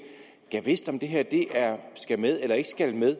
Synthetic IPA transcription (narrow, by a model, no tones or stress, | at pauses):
ɡ̥æʋe̝sd̥ɒ̽md̥e̝ɦeɐd̥e̝ʔæɐsɡ̥æmeð̞ˠelɐe̝ɡ̥sɡ̥ælmeð̞ˠ